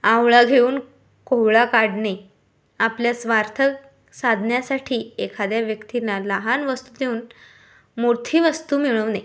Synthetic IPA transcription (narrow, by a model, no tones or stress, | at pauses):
awɭaɡʱeuːn | kowɭakaɽne | apljasʋaɾt̪ʰək | sad̪ʱnjasaʈʰiːekʰad̪jaʋjəkt̪inalaɦanʋəst̪uːd̪euːn | mot̪ʰiːʋəst̪uːmiɭəʋne